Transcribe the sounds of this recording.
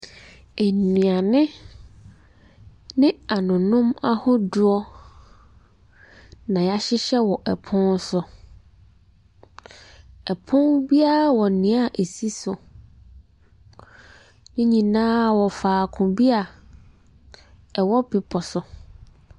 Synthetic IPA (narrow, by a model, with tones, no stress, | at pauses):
e˨nĩ˨a˨nɪ̃˦ | nɪ̃˦a˨nʊ̃˨nʊ̃˦ma˦hʊ˦dʊ˦ɔ˦ | nã˨ja˦ɕɪ˦ɕɛ˦wɔ˨ʔɛ˨pʰʊ̃˦n˦sʊ˨ | ɛ˨pʰʊ̃˦nbi˦a˦˨wɔ˨nĩ˨˦a˦˨ʔe˨si˦sʊ˨ | nɪ̃˦ɲĩ˨nãː˦wɔ˨faː˨kʰʊ̃˨bi˦a˨ | ɛ˨wɔ˦bɪ˨pʰɔ˨sʊ˨